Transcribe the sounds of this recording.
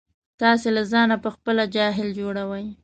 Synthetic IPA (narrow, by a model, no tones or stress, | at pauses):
t̪ɑselazɑnapəxpəlad͡ʒɑɦɪld͡ʒoɽawəj